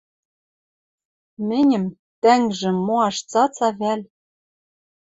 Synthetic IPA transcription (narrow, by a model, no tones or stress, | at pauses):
mɘ̆nʲɘ̆m | t̪æŋʒɘ̆moɑʃt͡sɑt͡sɑβælʲ